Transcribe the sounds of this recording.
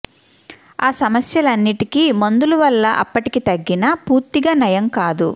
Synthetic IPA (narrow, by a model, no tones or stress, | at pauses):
aːsɐmɐsjɐlɐnːiʈikimond̪uluʋɐlːɐʔɐ̰pːɐʈikit̪ɐɡːinɐpuːɾt̪iɡaːnɐjɐmkaːd̪ṵ